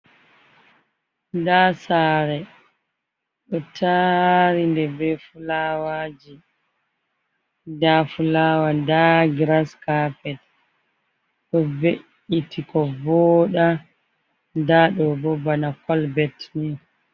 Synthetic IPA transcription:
dasaːɾɛ | ɗɔtʰaɾindɛbɛfulawad͡ʒi | dafulawadaɡɾaskapɛt | ɗɔbeʔ | itʰikɔvɔːɗa | ndaɗɔbɔbanakɔlbɛtni

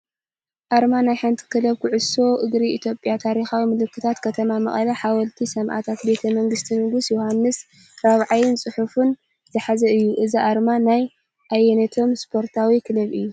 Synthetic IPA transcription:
ʔaɾmanajħɨnt̪ʰɨ̥kʰɨlɐβkʰʊʕʊso̞ʔɨɡɾiit̪ʰjo̞pʼjat̪ʰaɾixawimɨlɨkːɨt̪ʰat̪kʰɐt̪ʰɐmamɐχʼɐlɐħawɐlt̪ʰisɐmʔa̰t̪ʰat̪be̞t̪ʰɐmɐŋɡɨst̪ʰimɨɡɨsjuhanːɨs | ɾaβʕajɪnsʼɨħufɨn | z̥ɨħazɐɨjːuʔɨziʔaɾmanaj | ʔajːɛnɐt̪ʰo̞mspʰo̞ɾt̪ʰawikʰɨlɐβɨjːu

